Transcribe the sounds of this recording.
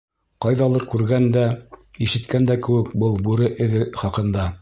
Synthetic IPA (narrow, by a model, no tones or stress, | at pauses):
qɑjðɑlˠɤɾkʉɾɡænd̪æiʃɘ̆t̪kænd̪ækɘ̆wɘkbɤlˠbuɾɘʔɘ̆ðɘχɑqɤ̆nd̪ɑ